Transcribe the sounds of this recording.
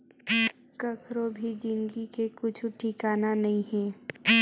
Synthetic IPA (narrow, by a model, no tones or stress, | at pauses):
kɐkʰɾobʱid͡ʒɪŋɡikekʊt͡ʃʰʈʰikaːnanɐɦĩɦɛ̃ː